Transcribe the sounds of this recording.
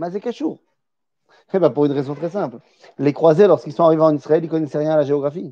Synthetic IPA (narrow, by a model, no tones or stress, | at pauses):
mazekaʃuːʁ | ebɛ̃puʁynʁɛzɔ̃t̪χɛsɛ̃pl | lekχwazelɔʁskilsɔ̃aʁiveɑ̃nisχaɛlikɔnɛsɛʁjɛ̃laʒeɔɡʁafi